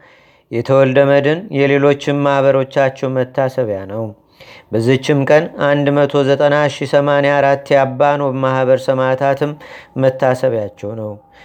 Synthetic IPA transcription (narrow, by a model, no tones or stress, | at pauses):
jɛt̪ʰəwɔld̪əməd̪ɨnjɛle̞lo̞t͡ʃːɪmːahβəɾo̞t͡ʃːat͡ʃːɛwmət̪ʰːasəβjanəw | bəzːit͡ʃːɪmkʼənand̪mət̪ʰo̞zət̪ʼənaʃisəmanejaɾat̪ːjabːanəwbəmahβəɾsəmat̪ʰat̪ʰɨmːət̪ːasəβjat͡ʃːɛwnəw